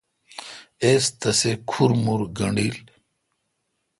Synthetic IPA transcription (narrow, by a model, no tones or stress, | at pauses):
eːst̪ɐsekʰuɾmuɾɡɐɳɖiːl